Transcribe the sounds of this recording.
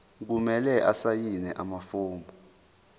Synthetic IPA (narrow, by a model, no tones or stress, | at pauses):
k̬umɛlɛʔasajinɛʔamafuːmbʱɔ